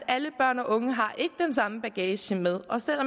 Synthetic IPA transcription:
æləb̥ɶɐ̰nɒ̽ʔɔ̽ŋəɦɑ̈ʔe̝ɡ̥əd̥ensɑ̈məb̥æɡ̥ɛːɕəmeð̞ˠʔɒ̽sel̰ɒ̽m

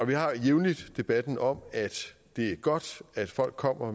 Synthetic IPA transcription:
ɒ̽ʋiɦɑ̈jeʊnlid̥d̥e̝b̥æd̥n̩ɒ̽mæd̥ | d̥e̝æɐɡ̥ɒ̽d̥æd̥fɒ̽l̰ɡ̥̚kʰːɒ̽m̰ɐ

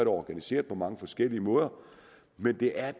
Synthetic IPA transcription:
ɐɾɐɒɡ̥ænise̝̰ːɐðˠpʰɒ̽mɑ̈ŋəfɒ̽sɡ̥el̰iəmɔ̽ːð̞ˠɐ | mend̥e̝ʔæɐ

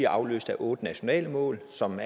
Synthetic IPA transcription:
iɐʔɑ̈ʊlø̰ːsd̥æʔɔ̽ːd̥ənæɕo̝nɛ̰ːləmɔ̰̽ːlsɒ̽mæ

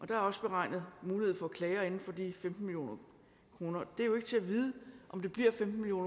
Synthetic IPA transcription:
ʔɒ̽d̥ɑ̈æɐɒ̽sb̥e̝ʁɑ̈ɪ̰nð̩ˠmuːliheð̩̰ˠfɒ̽kʰlɛːɪɐe̝nn̩fɒ̽d̥ifemd̥n̩miljo̝̰ːnɐ | kʰʁo̝ːnɐd̥e̝æɐjoe̝ɡ̥t͡sʰe̝æʋiːð̞ˠəʔɒ̽md̥e̝b̥liɐ̰femd̥n̩iljo̝̰ːn

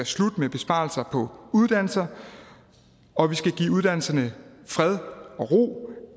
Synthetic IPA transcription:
æslud̥əmeb̥e̝sb̥ɑ̰̈ːl̩sɐpʰɒ̽uð̞ˠd̥æn̰l̩sɐ | ɒ̽ʋisɡ̥æɡ̥ḭːuð̞ˠd̥æn̰l̩sɐnəfʁɛð̞ˠɒ̽ʁo̝̰ː

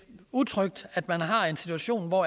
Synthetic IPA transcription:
ut͡sʰʁœɡ̥̚d̥æd̥mænɦɑ̈e̝nsit͡sʰuæɕo̝̰ːnʋɒ

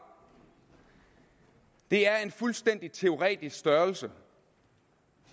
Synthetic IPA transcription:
d̥e̝æɐe̝nfulsd̥en̰d̥it͡sʰe̝o̝ʁɛ̰ːd̥isksd̥ɶɐlsə

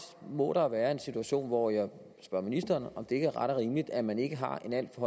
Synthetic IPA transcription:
mɔ̰̽ɾ̥ɑ̈ʋæːɐe̝nsit͡sʰuæɕo̝̰ːnʋɒjɑ̈ɪ | sb̥ɶɐ̰minisd̥ɐːnɒ̽md̥e̝e̝ɡ̥əʁɑɾ̥ɐʁiːmlid̥æmæne̝ɡ̥əɦɑ̈e̝næl̰d̥fɒɒ̽

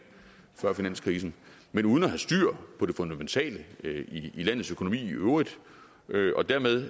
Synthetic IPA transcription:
fɶɐ̰finæn̰skʰʁiːsn̩ | menuːðˠnɒɦæsd̥yɐ̰pʰɒ̽d̥e̝fond̥æment͡sʰɛ̰ːləiilæn̰ðˠsøkʰo̝no̝mḭːiøːʁið̥ˠ | ʔøʔɒ̽d̥æɐmeðˠ

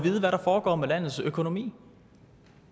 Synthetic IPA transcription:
ʋiːð̞ˠʋæɾɑ̈fɒːɡ̥ɒ̰ːmelæn̰ð̩ˠsøkʰo̝no̝mḭː

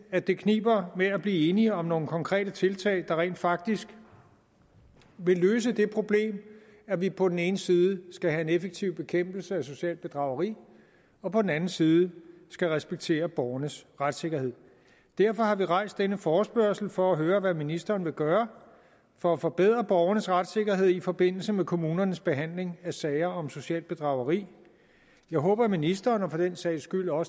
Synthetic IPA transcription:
æd̥e̝kʰnḭːb̥ɐmeæb̥liːe̝ːniɒ̽mno̝ːŋ̩əkʰɒ̽ŋkʰʁɛ̰ːd̥ət͡sʰe̝lt͡sʰɛ̰ːɪd̥ɑ̈ʁɛ̰ːnd̥fɑ̈ɡ̥̚d̥isɡ̥ | ʋe̝lːøːs̬əd̥e̝pʰʁo̝b̥le̝̰ːm | æʋipʰɒ̽d̥en̩e̝ːnəsiːð̞ˠəsɡ̥æɦæe̝nefeɡ̥̚t͡sʰiʊb̥e̝kʰem̰b̥l̩səæso̝ɕɛ̰ːld̥̚b̥e̝d̥ʁɑ̈ʊɐʁḭː | ɒ̽pʰɒ̽d̥en̩ænn̩siːð̞ˠəsɡ̥æʁɛsb̥eɡ̥̚t͡sʰe̝̰ːɐb̥ɒːɐnəsʁad̥se̝ɡ̥ɐhe̝ð̞̰ˠ | d̥æɐfɒ̽hɑ̈ʋiʁɑ̈ɪ̰sd̥enəfɒːsb̥ɶɐsl̩fɒ̽æɦøːɐʋæminisd̥ɐːnʋe̝ɡ̥ɶːɐ | fɒ̽æfɒ̽b̥eð̰ˠʁɐb̥ɒʊɐnəsʁad̥se̝ɡ̥ɐɦe̝ð̰ˠifɒ̽b̥e̝n̰l̩səmekʰo̝muːnɐnəsb̥e̝ɦæn̰le̝ŋæsɛɪɐɒ̽mso̝ɕɛ̰ːld̥b̥e̝d̥ʁɑ̈ʊɐʁḭː | jɑ̈ɪɦɔ̽ːb̥ɐminisd̥ɐːnɐpʰɒ̽d̥ensɛɪ̰sɡ̥yl̰ɒ̽s

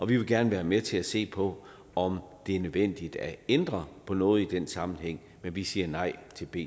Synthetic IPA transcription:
ɒ̽ʋiʋe̝lɡ̥æɐnəʋæːɐmet͡sʰe̝læse̝̰ːpʰɒ̽ | ɒ̽md̥e̝æɐnøðˠʋen̰d̥id̥æend̥ʁɐpʰɒ̽nɔ̽ːð̞̩ˠid̥en̰sɑ̈mn̩ɦeŋ̰ | menʋisiːɐnɑ̈ɪ̰t͡sʰe̝lb̥e̝̰ː

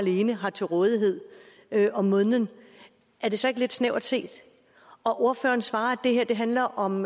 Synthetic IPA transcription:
æle̝ːnəɦɑ̈t͡sʰe̝lʁɔ̽ːð̞ˠiɦe̝ð̞̰ˠ | øʔɒ̽mːɔ̽ðnən | æɐd̥e̝sɒ̽e̝ɡ̥le̝d̥sneʊ̰̥se̝̰ːd̥ | ɒ̽ʔo̝ɐfø̰ːɐnsʋɑ̈ːd̥e̝heɐd̥e̝ɦænlɐʔɒ̽m

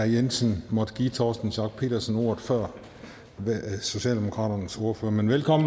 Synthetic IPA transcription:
æjensənmɒ̽d̥əɡ̥iːt͡sʰɒːsd̥n̩sɑ̈ɡ̥̚pʰe̝̰ːd̥ɐsno̝ɐ̰ð̩ˠfɶɐ̰ | so̝ɕɛ̰ːld̥emo̝kʰʁɑ̰̈ːdɐnəso̝ɐføːɐmenʋelkʰɒ̽mn̩

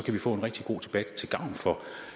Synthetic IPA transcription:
ɒ̽kʰæʋifɔ̰̽ːe̝nʁɛɡ̥d̥iɡ̥o̝̰ːt͡sʰe̝b̥æd̥t͡sʰe̝lɡ̥ɑ̈ʊ̰nfɒ̽

